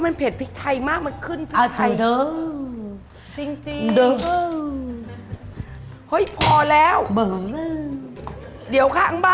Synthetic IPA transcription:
ma˧npʰeː˨˩t̚pʰi˦˥k̚t̪ʰa˧˩jmaː˧˥˩k̚ma˨˧˩t̚kʰɯ˧˩˨npʰa˨˩t̪ʰa˧˨jdəː˨˧˦ | t͡ɕi˧ŋ˧dəː˨˦˧ | ho˧˥˩jpʰɔː˧˩lɛː˨˦˥wməː˨˩˧ | ɗi˨˩˦əwkʰaː˧˩˨ŋɓaː˧

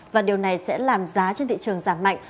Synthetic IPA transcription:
vaː˨˩ɗi˨˩əwna˨˩jsɛ̰˧˥laː˨˩mzaː˨˦t͡ɕe˧nt̪ʰḭ˧˨t͡ɕɨ˨˩əŋzaː˧˩mːa̰˧˨jŋ̟

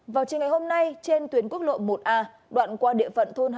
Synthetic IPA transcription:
vaː˨˩wt͡ɕi˨˩ŋa˨˩jho˧mna˧jt͡ɕe˧nt̪wi˨˦ənku˦˥ək̚lo̰˧˨mo˨˩t̚ʔaː˧ | ɗwa̰ː˧˨nkwaː˧ɗḭ˧əfə̰˧˨nt̪ʰo˧n˧

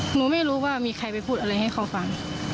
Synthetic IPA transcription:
nuː˧˦ma˥˨jɾuː˦˥waː˥˩miː˧kʰa˧jpa˧jpʰuː˥˩t̪̚a˧a˧jha˥˩jxʰa˧˩wfa˧ŋ

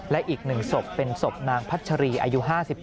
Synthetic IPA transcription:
lɛ˦˥ʔiː˨˩k̚nɯ˨˩ŋso˨˩pːe˧nso˨˩p̚naː˧ŋpʰa˦˥t̪̚t͡ɕʰa˧ɾiː˧ʔa̰ː˧ju˦˥ɦaː˥˩si˨˩p̚

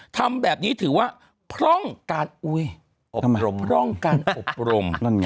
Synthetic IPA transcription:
t̪ʰa˧mbɛː˨˩p̚niː˦˥t̪ʰɯː˩˦waː˥˩ | pʰɾɔ˥˩ŋkaː˧nʔu˧j | ʔpʰɾɔ˥˩ŋkaː˧nʔo˨˩p̚ɾo˧ma˥˩n˧

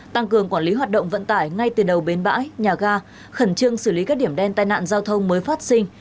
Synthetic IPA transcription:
t̪a˧ŋkɨ˨˩əŋkwaː˧˩nli˨˦ɦwaː˨˩t̚ɗə̰˧˨wŋ͡mvə̰˧˨nt̪aː˧˩jŋa˧jt̪ɨ˨˩ɗə˨˩wɓe˨˦nɓa̰ː˧˥jɲaː˨˩ɣaː˧ | xə˧˩nt͡ɕɨ˧əŋsɨ˧˩li˨˦kaː˦˥k̚ɗi˧˩əmɗɛ˧nt̪aː˧˨jna̰ː˧˨nzaː˧wt̪ʰə˧wŋ͡mməː˨˦jfaː˦˥t̚sï˧ŋ

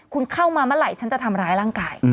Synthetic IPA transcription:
kʰu˧nkʰa˥˩wmaː˧ma˦˥˩ɾa˨˩jt͡ɕʰa˦˥nt͡ɕa˨˩t̪ʰa˧mɾaː˦˥jɾaː˥˩ŋkaː˧j

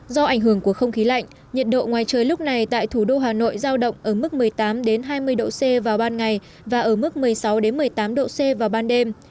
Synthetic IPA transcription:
zɔ˧ʔa˧˩jŋ̟ɦɨ˧˩əŋku˧˩əxə˧wŋ͡mxi˨˦la̰˧˨jŋ̟ | ɲə˨˩t̚ɗo̰˧˨ŋwaː˨˩jt͡ɕəː˨˩jlʊ˦˥k͡p̚na˨˩jt̪a̰ː˧˨jt̪ʰu˧˩ɗo˧ɦaː˨˩no̰˧˨jzaː˧wɗə̰˧˨wŋ͡mʔəː˧˩mɨ˦˥k̚mɨ˨˩əjt̪aː˨˦mɗe˨˦nɦaː˧jmɨ˧əjɗo̰˧˨se˧vaː˨˩wɓaː˧nŋa˨˩j | vaː˨˩ʔəː˧˩mɨ˦˥k̚mɨ˨˩əjsa˨˦wɗe˨˦nmɨ˨˩əjt̪aː˨˦mɗo̰˧˨se˧vaː˨˩wɓaː˧nɗe˧m

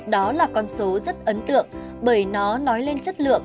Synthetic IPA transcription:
ɗɔ˨˦laː˨˩kɔ˧nso˨˦zə˦˥t̚ʔə˨˦nt̪ɨ̰˧˨əŋ | ɓəː˧˩jnɔ˨˦nɔ˨˦jle˧nt͡ɕə˦˥t̚lɨ̰˧˨əŋ

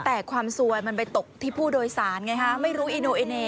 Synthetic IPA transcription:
t̪ɛː˨˩kʰwaː˧msu˧əjma˧npa˧jt̪o˨˩k̚t̪ʰiː˥˩pʰuː˥˩doː˧jsaː˩˦nŋa˧jkʰa˦˥ma˥˩jɾuː˦˥ʔi˧noː˧ʔe˧neː˧˩

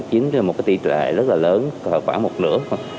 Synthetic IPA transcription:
t͡ɕi˨˦əŋ˧aː˨mo˨˩t̚kaː˨˦jt̪i˧˩t͡ɕɛ̰˧˨zə˦˥t̚laː˨˩ləː˨˦nhəː˨˩k̚waː˧˩mo˨˩t̚nɨ̰˧˥ə˩

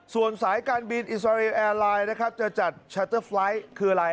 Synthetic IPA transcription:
su˨˩ənsaː˩˦jkaː˧nbi˧nʔi˨˩s̬aː˧ɾi˧ʔɛː˧laː˧jna˦˥kʰa˦˥p̚t͡ɕa˨˧˩t͡ɕa˨˩t̪̚t͡ɕʰaː˧˥t̪ɤː˥˩fla˦˥jkʰɯː˧la˧j

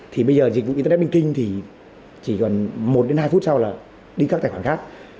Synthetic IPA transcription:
t̪ʰi˨˩ɓə˧jzəː˨˩zi̟˨˩vṵ˧˨i˧ə˧˦˥ɓi˧ŋ̟kï˧ŋ̟t̪ʰi˨˩ | t͡ɕi˧˩kɔ˨˩nmo˨˩t̚ɗe˨˦nhaː˧jfu˦˥t̚sa˧wlaː˨˩ | ɗi˧ka˦˥k̚taː˨˩waː˧˩xaː˦˥k̚

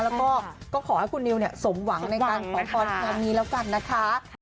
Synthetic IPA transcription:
lɛː˦˥wkɔː˥˩kɔː˥˩kʰɔː˨˩˦ha˦˥˩jkʰu˧nːi˧wni˥˩ɐso˩˦mwa˩˦ŋŋna˧jkaː˧nkʰɔː˩˦ŋpʰɔː˧tkʰaː˧niː˧lɛː˦˥wka˧nːa˦˥kʰa˦˥

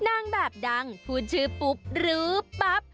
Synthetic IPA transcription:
na˧˩ŋbɛː˨˩p̚da˧ŋp̪ʰuː˨˧˩t̪̚t͡ɕʰɯː˧˥pu˦˥p̚ɾɯː˩˦pa˦˥p̚

